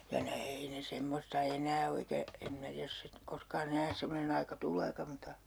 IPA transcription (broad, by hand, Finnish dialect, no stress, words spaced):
jɑ ne ei ne semːostɑ enæː o eikæ em minæ tiæj jos sit koskɑːn enæː semːonen ɑikɑ tulˑeːkɑ mutɑ